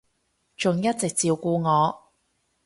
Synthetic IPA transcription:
t͡ʃʊ˨ŋjɐ˥t̚t͡sɪ˨k̚t͡siː˧wkuː˧ŋɔː˨˧

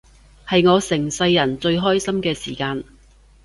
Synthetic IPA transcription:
hɐ˨jŋɔː˨˧sɪ˨˩ŋsɐ˧jːɐ˨˩nt͡ʃɵ˧ɥɦɔː˥jsɐ˥mkɛː˧siː˨˩kaː˧n

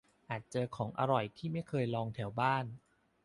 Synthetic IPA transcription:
ʔaː˨˩t̪̚t͡ɕɤː˧kʰɔː˩˦ŋʔa̰˧ɾɔ˨˩jt̪ʰiː˥˩ma˥˩jkʰɤː˧jlɔː˧ŋt̪ʰɛ˩˦wbaː˥˩n

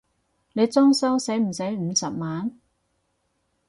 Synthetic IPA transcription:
ne˨˧jt͡sɔː˥ŋsɐ˥wse˨˥jm̩˨˩se˨˥jm̩˨˧sɐ˨p̚maː˨˥n

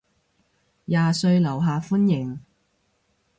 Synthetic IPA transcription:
jaː˨sɵ˧ɥlɐ˨˩wɦaː˨fuː˥njɪ˨˩ŋ

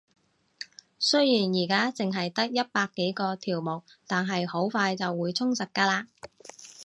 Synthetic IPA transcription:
sɵ˥jjiː˨˩njiː˨˩kaː˥t͡sɪ˨ŋɦɐ˨jt̪ɐ˥k̚jɐ˥t̚paː˧kːe˨˥jkɔː˧t̪ʰiː˨˩wmʊ˨˩w̚t̪aː˨nɦɐ˨jho˨˥wfaː˧jt͡sɐ˨wːuː˨˧jt͡sʰʊ˥ŋsɐ˨t̚kːaː˧laː˧

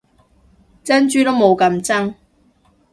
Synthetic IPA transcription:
t͡sɐ˥nt͡ʃyː˥t̪o˥wmo˨˧wkɐ˧mt͡sɐ˥ŋ

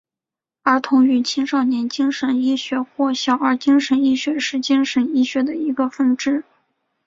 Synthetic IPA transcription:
ə˞˧˥t̪ʰʊ˧˥ŋy˨˩t͡ɕʰi˥ŋʂɑ˥˩ʊnjɛ˧˥nt͡ɕi˥ŋʂə˧˥ni˥˩ɕɥɛ˧˥xwɔ˥˩ɕjɑ˨˩ʊə˞˧˥t͡ɕi˥ŋʂə˧˥ni˥˩ɕɥɛ˧˥ʂɻ̩˥˩t͡ɕi˥ŋʂə˧˥ni˥˩ɕɥɛ˧˥d̪ə˨i˧˥ɡə˧fə˥˧nʈ͡ʂɻ̩˥˩

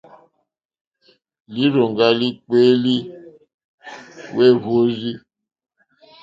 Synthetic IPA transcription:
li˦ɾo˨ŋɡa˦li˦k͡peː˦li˦ | we˦˨βo˦zi˦

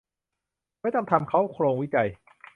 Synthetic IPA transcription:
ma˥˩jt̪ɔ˥˩ŋt̪ʰa˧mkʰa˦˥wkʰɾoː˧ŋwi˦˥t͡ɕa˧j

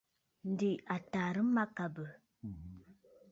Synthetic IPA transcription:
n̩˦di˨a˨ta˨ɾə˦ma˦ka˨bə˨

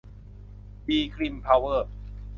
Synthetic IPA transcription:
biː˧kʰɾi˧˩mpʰa˧wːɤː˥˩

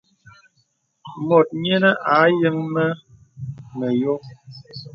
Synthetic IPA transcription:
mo˨t̚ɲɛ˦nə˦ʔa˨˦jɨ˦ŋmə˦ | nə˨jo˦

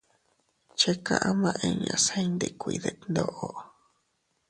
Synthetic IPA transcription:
t͡ʃe˦kã̰˧ʔã˦mã˧ʔẽ˧ɲã˧˨sã˦i˦nd̪e˧kʷi˧ðe˧nd̪o˧ʔo˧

